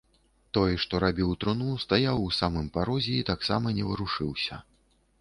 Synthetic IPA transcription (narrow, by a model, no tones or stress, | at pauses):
t̪ɔjʂt̪ɔɾabʲiwt̪ɾɨnust̪ajawusamɨmpaɾɔzʲɛit̪aksamɐnʲɛvɨɾuʂɨwsʲɐ